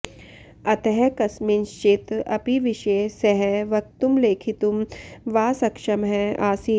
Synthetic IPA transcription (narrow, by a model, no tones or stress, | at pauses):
ɐt̪ɛɦɛkɐsminʃt͡ʃit̪ɐ̰piʋiʃeːsɛɦɛʋɐk̚t̪umleːkʰit̪umʋaːsɐkʃɐmɦɛaːsi